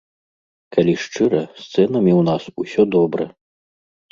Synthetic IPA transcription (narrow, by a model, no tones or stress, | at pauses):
kʰalʲiʂt͡ʂɨɾɐst̪sɛnɐmʲiwnasusʲɔd̪ɔbɾɐ